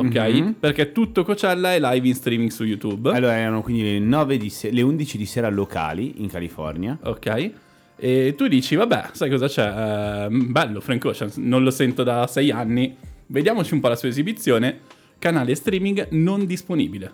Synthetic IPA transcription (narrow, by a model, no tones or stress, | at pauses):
okkːɛjperk̟et̪ːut̪ːokot͡ʃɛlːaɛlajvinst̪ɾiːmiŋɡsujut̪ubalːoːɾaɛɾanokwind̪ilenɔːved̪iseleund̪it͡ʃid̪iseːɾalokʰa̰ːliiŋkalifɔ̰rnjao̰kːɛj | et̪ːud̪iːt͡ʃivabɛ̰sajkɔzat͡ʃɛ | bɛlːofɾeŋkot͡ʃansnõnlosɛnt̪od̪asɛjanːived̪jaːmot͡ʃiumpɔlasuːaezibit̪sːjoːne | kanaːlest̪ɾiːmiŋɡnond̪isponḭːbile